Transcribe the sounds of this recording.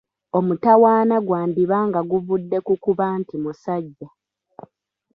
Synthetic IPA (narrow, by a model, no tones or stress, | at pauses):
o̞mutawaːnaɡwaːndiβaːŋɡaɡuvudːe̞kukuβaːntimusaɟːa